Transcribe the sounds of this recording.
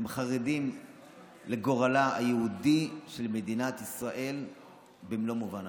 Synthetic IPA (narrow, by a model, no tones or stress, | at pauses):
mχaʁedim | leɡo̞ʁalaa̰jeudiʃelmed̪inat̪isʁaʔe̞l | bemlo̞muvan